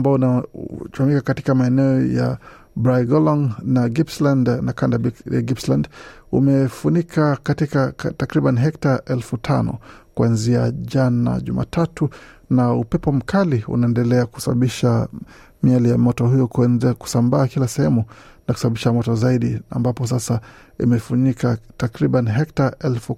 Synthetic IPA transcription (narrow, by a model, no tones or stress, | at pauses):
ambaɔnat͡ʃuamikakati̥kamaɛnɛɔja̰ | bɾajɡɔlɔŋnaɡipslandnakandabija̰ɡipsland | ṵmɛfunikʰakatikatakɾiɓaniɦɛk̚taʔɛlfutʰanɔ̰kuanziaʄana̰ʄṵma̰ːtʰatunaupɛpɔm̩kʰaliṵnaɛndɛlɛaku̥saɓaɓiʃa | mialijamɔtɔhujɔkku̥sambaːkilasɛhɛmu | naku̥sabaɓiʃamɔtɔzaiɗia̰mbapɔs̬asa | ḭmɛfuɲikatakɾiɓaniɦɛk̚taɛlfu